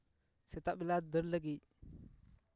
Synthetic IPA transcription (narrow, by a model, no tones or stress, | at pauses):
setaɓiladəɾləɡi